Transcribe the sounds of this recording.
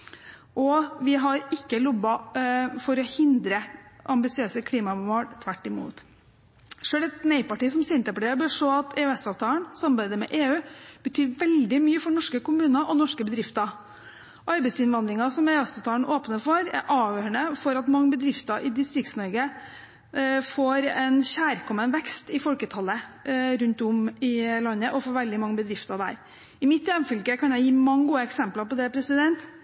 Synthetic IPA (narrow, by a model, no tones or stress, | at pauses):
ʔɔʋɪɦɑɾɪkːəlɔbɑfɔɾɔhɪnd̪ɾəʔɑmbɪsɪøːsəkʰliːmɑmoːlt̪ʰʋæʈːɪmṵːt̪ | ʂøːlɛt̪nɛɪpɑʈiːsɔmsɛnt̪əpɔɽɛbøːʂoːɑt̪ɛʉɛsɑʋt̪ʰɑːlənsɑmbæɪd̪əmɛ̰ʔeːʉːb̥ət̪ʰyːɾʋɛld̪ɪmyːəfɔɳɔʂkəkʊmʉːnəʔɔnɔʂkəbəd̪ɾɪft̪ə | ɑɾbæɪsɪnʋɑnd̪ɾɪŋɑsɔmæɑst̪ət̪ʰɑːn̩ʔoːpnəfɔɾæ̰ɾʔɑːʋjøːɾəɳəfɔɾɑt̪mɑŋːəbəd̪ɾɪft̪əʔɪd̪ɪst̪ɾɪkt̪snɔɾɡə | foːɾɛnçæːɾkʰɔmənʋɛkst̪ɪfɔlkət̪ʰɑlːəɾʉnt̪ʊmɪlɑnːəʔɔfoːɾʋɛld̪ɪmɑŋːəbəd̪ɾɪft̪əɾd̪æ̰ːɾ | ɪmɪt̪ːjɛnfʏlkəkɑnjæɪjiːmɑŋːəɡuːəɛksɛmplɑpɔd̪ɛpʰɾɛsɪd̪ɛnt̪